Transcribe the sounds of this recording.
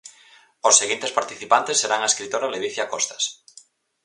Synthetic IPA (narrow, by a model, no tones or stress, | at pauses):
osːeɣint̪espaɾt̪iθipant̪esːeɾaŋaeskɾit̪oɾaleβiθjakɔst̪ḁs